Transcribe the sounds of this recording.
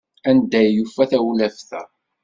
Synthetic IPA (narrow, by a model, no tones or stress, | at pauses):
ænd̪æjːufːæθæwlæfθæ